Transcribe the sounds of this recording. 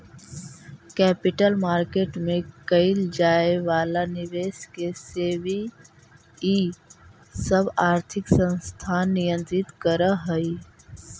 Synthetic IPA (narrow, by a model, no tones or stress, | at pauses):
kɛːpɪʈəlmaːɾkeːʈmẽkəɪld͡ʒaːeʋaːlanɪʋeːʃkeseːʋi | i | səbaːɾt̪ʰɪksə̃nst̪ʰaːnːijə̃nt̪ɾɪt̪kəɾəɦəi